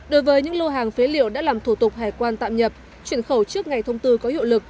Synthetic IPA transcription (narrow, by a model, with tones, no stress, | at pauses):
ɗo˨˦jvəː˨˦jɲɨ̰˧˥ŋlo˧ɦaː˨˩ŋfe˨˦lḭ˧˨əwɗa̰ː˧˥laː˨˩mt̪ʰu˧˩t̪ʊ˨˩k͡p̚haː˨˩jkwaː˧nt̪a̰ː˧˨mɲə˨˩p̚ | t͡ɕwi˧˩ənxə˧˩wt͡ɕɨ˦˥ək̚ŋa˨˩jt̪ʰə˧wŋ͡mt̪ɨ˧kɔ˨˦hḭ˧˨wlɨ˨˩k̚